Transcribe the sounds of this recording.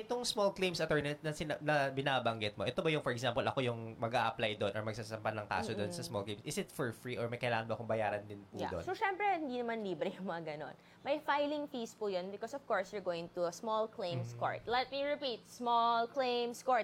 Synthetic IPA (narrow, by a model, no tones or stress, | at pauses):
ʔɪt̪oŋsmɔlklẽjmsɐt̪ɛɹnɛnt̪nɐsɪnɐnɐbɪnaːbɐŋɡɪt̪̚moʔɛt̪obɐjʊŋfɔɹɛksaːmpɛlʔɐ̰kojʊŋmɐɡaʔɐplajd̪onʔɔɹmɐɡ̚sasɐmpɐnːɐŋka̰ːsod̪onsɐsmɔlklẽmsʔɪsɪt̪fɔɹfɹiːʔɔɹmɐjkɐjlaːŋɐnbɐkʊŋbɐjaːɾɐnd̪ɪnpuja̰o̰soʃɛmpɾɛhɪnd̪iːnɐmanliːbɾɛjʊŋmɐŋɐɡɐno̰n | mɐjfajlɪŋfiːspujonbɪkɔsɔv̥kɔɹsjʊɹɡoːwjɪ̃ŋt̪uɐsmɔlklẽjmsko̰ɹt̪̚lɛt̪̚miɹɪpit̪̚smɔlklejmskoɹt̪